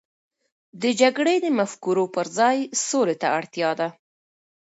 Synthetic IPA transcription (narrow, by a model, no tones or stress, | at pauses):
d̪əd͡ʒaɡɽed̪əmafkuɾopəɾzɑjsolet̪a̰aɽt̪jɑd̪a